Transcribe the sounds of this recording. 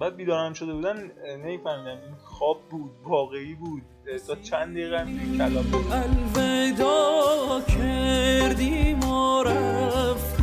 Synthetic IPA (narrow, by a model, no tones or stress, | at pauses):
bæːd̪̚biːd̪ɒːɾæmʃo̞d̪ebuːd̪ænne̞miːfæhmiːd̪æminxɒːb̚ːuːd̪̚vɒːɣeiːbuːd̪̥̚ | t̪ʰɒt͡ʃʰænd̪ejɣæmikʰælɒːmbuælved̪ɔ | kʰeɾd̪iːmɔɾæf